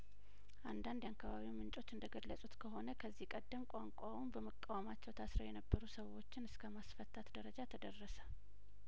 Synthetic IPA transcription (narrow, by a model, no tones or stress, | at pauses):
ʔand̪and̪jakːaβaβiwmɨnt͡ʃʼo̞t͡ʃːɨnd̪əɡəlːəsʼut̪kʰəɦo̞nəkʰəzːihkʼəd̪ːəmkʷʼaŋkʷʼawumbəməkʼːawamat͡ʃːɛwt̪ʰasɾəwjɛnəbːəɾusəwːo̞t͡ʃːɪnɨskʰəmasfət̪ʰːat̪d̪əɾəd͡ʒat̪ʰəd̪ərːəsə̥